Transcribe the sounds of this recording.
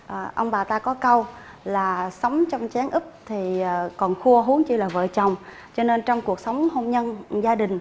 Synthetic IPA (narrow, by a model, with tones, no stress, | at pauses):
ʔə˨˩ʔə˧wŋ͡mɓaː˨˩t̪aː˧kɔ˨˦kə˧wlaː˨˩sə˨˦wŋ͡mt͡ɕɔ˧wŋ͡mt͡ɕaː˨˦ŋʔɨ˦˥p̚t̪ʰi˨˩˨kɔ˨˩nxu˧əɦu˨˦əŋt͡ɕi˧laː˨˩və̰ː˧˨t͡ɕə˨˩wŋ͡m | t͡ɕɔ˧ne˧nt͡ɕɔ˧wŋ͡mku˨˩ək̚sə˨˦wŋ͡mho˧mɲə˧nzaː˧ɗï˨˩ŋ̟